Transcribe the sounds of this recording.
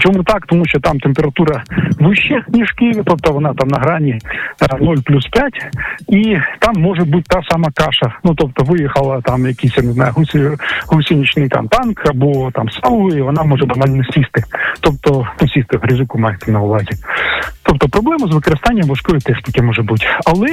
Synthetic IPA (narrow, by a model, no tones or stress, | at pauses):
t͡ʃɔmut̪ɑkt̪ɔmuʃʲt͡ʃɔt̪ɑmt̪empʲeɾɐt̪uɾɐʋɪʃːɛnʲiʂkɪjʋʲit̪ɔp̚t̪ɔʋɔnɑt̪ɑmnɐɦɾɑnʲinɔlʲplʲuspʲjatʲit̪ɑmːɔʐɛbut̚ʲt̪asɑmɐkɑʂɐnut̪ɔp̚t̪ɔʋɪjɛxɐlˠɐt̪ɑmjɐkisʲjanɪznɑjʊɦusʲɦusʲinʲit͡ʃnɪjt̪a̰mt̪ɑnkʰɐbɔt̪ɑ̰msɑlˠiʋɔnɑmɔʒɛbɐnɑlʲnɔsʲist̪ɪt̪ɔp̚t̪ɔnusʲist̪ɪɦɾʲɪzʲukʊmɑjɛt̪ɪnɐʊʋɑzʲit̪ɔp̚t̪ɔpɾɔblˠɛmɐzʋɪkɔɾɪst̪ɑnʲːɐmʋɐʂkɔjʊt̪ɛʃt̪ʲikɪmɔʐɛbutʲɐlˠɛ